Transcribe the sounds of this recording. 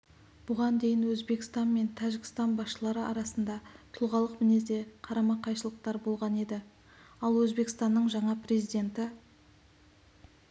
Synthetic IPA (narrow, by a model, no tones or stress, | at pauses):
b̥ʊʁɑnd̪e̞jɪnwɵzbe̞kʲɪ̥st̪ɑnme̞nt̪ʰæʒɪɡʲɪ̥st̪ɑnbɑsʃəlˠɑɾəɑɾɑsənd̪ɑt̪ʰʊlˠʁɑlˠəqmɪne̞zd̪e̞qʰɑɾɑmɑqʰːɑjʃəlˠəq̚t̪ɑɾbo̞lˠʁɑne̞d̪ɪ | ɑlˠwɵzbe̞kʲɪ̥st̪ɑnːəɴʒɑɴɑpre̞zijd̪ʲe̞nt̪ɪ